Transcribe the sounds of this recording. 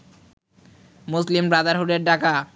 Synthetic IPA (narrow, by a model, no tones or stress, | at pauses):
muslimbɾad̪aɾɦuʈeɾɖaka